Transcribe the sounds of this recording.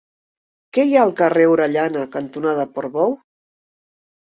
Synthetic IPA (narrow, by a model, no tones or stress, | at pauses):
kɛjaəlˠkəreuɾəʎanəkənt̪unaðəpoɾβɔw